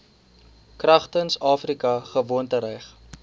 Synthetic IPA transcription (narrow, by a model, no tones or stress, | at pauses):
krɐχtənsɑːfrikɐχəvuəntəɾɛjχ